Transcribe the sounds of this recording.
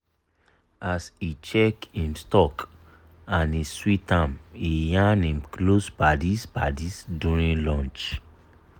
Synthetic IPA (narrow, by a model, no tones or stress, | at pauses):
asit͡ʃɛkĩnstɔk | ãniswitãmijanẽmklosbadispadisduɹĩnlɔ̃nt͡ʃ